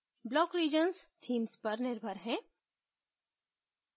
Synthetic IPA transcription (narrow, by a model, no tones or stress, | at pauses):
blɔːkɾiːd͡ʒənst̪ʰiːmspɐɾnɪɾbʱəɾɦɛ̃ː